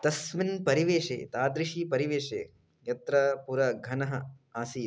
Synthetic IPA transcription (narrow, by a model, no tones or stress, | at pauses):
t̪ɐsminpɐɾiʋeːʂḛːt̪aːd̪ɾiʃiːpɐɾiʋeːʂḛː | jɐt̪ɾɐpuɾɐɡʱɐnɐɦɐaːsiː